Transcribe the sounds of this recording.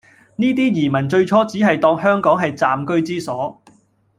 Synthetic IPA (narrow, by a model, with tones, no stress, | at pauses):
niː˥t̪̬iː˥jiː˨˩mɐ˨˩nt͡ʃɵ˧ɥt͡ʃʰɔː˥t͡siː˨˥ɦɐ˨jt̪ɔː˧ŋhœː˥ŋkɔː˨˥ŋɦɐ˨jt͡saː˨mkɵ˥ɥt͡siː˥sɔː˨˥